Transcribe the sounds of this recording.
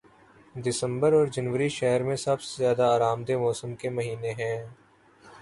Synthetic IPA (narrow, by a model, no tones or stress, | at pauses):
d̪ɪsə̃mbəɾɔːɾd͡ʒɐnʋəɾiʃɛɦəɾmẽsɐbsezjaːd̪aaːɾaːmd̪emɔːsəmkemɐɦiːneɦɛ̃ː